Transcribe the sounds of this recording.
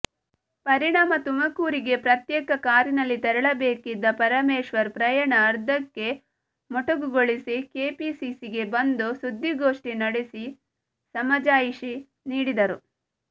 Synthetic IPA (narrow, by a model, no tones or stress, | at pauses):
pɐɾiɳaːmɐt̪umɐkuːɾiɡe̞pɾɐt̪jɛːkɐkaːɾjinɐlːit̪ɛɾɐɭɐbeːkid̪ːɐpɐɾɐmeːʃʋɐɾpɾɐjɐɳɐːɾd̪ɐkːe̞ | mɔʈɐɡuɡoɭisikeːpiːsiːsiɡe̞bɐnd̪usud̪ʱːiɡoːʂʈinɐɽesi | sɐmɐd͡ʒaːjiʃi | niːɽid̪ɐɾu